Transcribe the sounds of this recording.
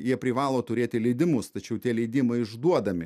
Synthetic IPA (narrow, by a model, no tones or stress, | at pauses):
jiɛpʲɾʲɪʋɑːlˠoːt̪ʊɾʲeːt̪ʲɪlʲɛɪd̪ʲɪmʊst̪ɐt͡ʃʲɛʊt̪ʲiɛlʲɛɪd̪ʲiːmɐɪɪʒd̪uɔd̪ɐmʲɪ